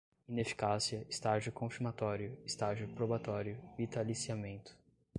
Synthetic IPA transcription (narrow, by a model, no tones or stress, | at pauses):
ĩnefi̥kasiɐɪst̪aʒʊkõfiɾmat̪ɔɾjʊɪst̪aʒʊpɾobat̪ɔɾjʊvit̪alisiamẽnt̪ʊ̥